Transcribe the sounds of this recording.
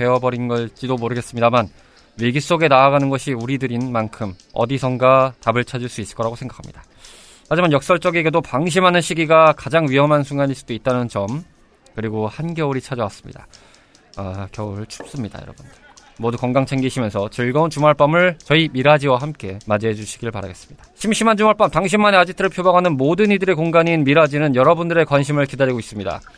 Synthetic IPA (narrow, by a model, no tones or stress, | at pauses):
e̞wʌbʌɾinɡʌɭt͡ɕ͈idomoɾɯɡes͈ɯmɲidaman | weɡis͈oɡe̞naːɡanɯnɡʌɕʰiuɾidɯɾinmankʰɯm | ʌ̰disʰʌŋɡatabɯɭt͡ɕʰad͡ʑiɭs͈uis͈ɯ̥ɭk͈ʌɾaɡosʰe̞ŋɡakʰamɲid̥a | mad͡ʑimanjʌk̚s͈ʌɭt͡ɕ͈ʌɡe̞ɡe̞dopaŋɕ̬ʰimɦanɯnɕʰiɡiɡakad͡ʑaŋɥiɦʌmɦansʰuŋɡaɲiɭs͈udoit̚t͈anɯnt͡ɕʌm | kɯɾiɡohanɡjʌuɾit͡ɕʰad͡ʑʌwas͈ɯ̥mɲḭda̰ | akjʌuɾɭt͡ɕʰu̥p̚s͈ɯmɲida̰jʌɾʌbundɯɭmodukʌŋɡaŋt͡ɕʰeŋɡiɕʰimjʌnsʰʌt͡ɕɯɭɡʌunt͡ɕumaɭp͈amɯɭt͡ɕʌimiɾad͡ʑiwaɦamk͈e̞mad͡ʑied͡ʑuɕʰi̥ɡiɾɯɭpaɾa̰ɡe̞s͈ɯ̥mɲid̥ḁɕʰimɕʰimand͡ʑuŋaɭp͈amtaŋɕ̬ʰimːane̞ad͡ʑitʰɯɾɯɭpʰjobaɡɦanɯnmodɯnidɯɾe̞koŋɡaɲinmiɾad͡ʑinɯnjʌɾʌbundɯɾe̞kwanɕʰimɯɭkidaɾiɡois͈ɯmɲida̰